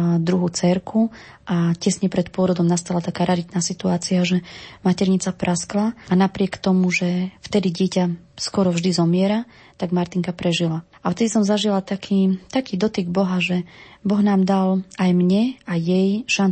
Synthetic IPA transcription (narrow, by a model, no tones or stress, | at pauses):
d̪ɾuɦut͡sɛɾkʰu | ʔacɛsɲɛpɾɛt̪pʊɔɾɔd̪ɔmnast̪alat̪akaːɾaɾit̪naːsit̪uaːt͡siaʒɛmacɛɾɲit͡sapɾʔasklaanapɾɪɛkt̪ɔmuʒɛft̪ɛd̪iɟɪɛca | skɔɾɔvʒd̪izɔmɪɛɾa | t̪aɡmaɾt̪iŋkapɾɛʒila | aft̪ɛd̪isɔmzaʒilat̪akʰiːt̪akiːd̪ɔt̪iɡbɔɦaʒɛbɔɣnaːmd̪alajmɲɛajɛjʃan